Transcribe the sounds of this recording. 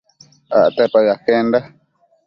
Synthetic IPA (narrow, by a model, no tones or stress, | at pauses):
a̰ʔt̪epaɰakenda